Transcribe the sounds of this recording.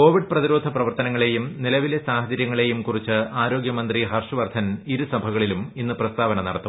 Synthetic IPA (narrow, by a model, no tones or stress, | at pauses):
ko̞ːʋiɖprɐðiɾo̞ːd̪ʱɐprɐʋɐrt̪ɐnɐŋːɐɭe̞jumnilɐʋilesaːhɐt͡ɕɐɾjɐŋːɐɭe̞jumkurit͡ɕːɨaːɾo̞ːɡjɐmɐnd̪riɦɐrʂɨʋɐrd̪ʰʱɐniɾusɐbʱɐɣɐɭiluminːɨprɐst̪aːʋɐnɐnɐɽɐt̪ːu